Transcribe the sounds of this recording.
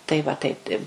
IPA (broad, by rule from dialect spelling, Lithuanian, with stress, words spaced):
ˈtɐɪ ˈʋɐ ˈtɐɪp tɐɪ